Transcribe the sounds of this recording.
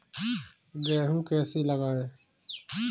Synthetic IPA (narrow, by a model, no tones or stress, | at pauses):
ɡɛːɦũkɛːsiləɡaːeː